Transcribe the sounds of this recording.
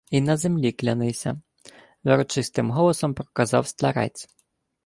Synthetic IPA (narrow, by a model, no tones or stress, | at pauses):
inɐzemlʲiklʲɐnɪsʲɐ̰ | ʋeɾɔt͡ʃɪst̪ɪmɦɔlˠɔsɔmpɾɔ̥kɐzɑwst̪lʲɐɾɑ̰jt͡sʲ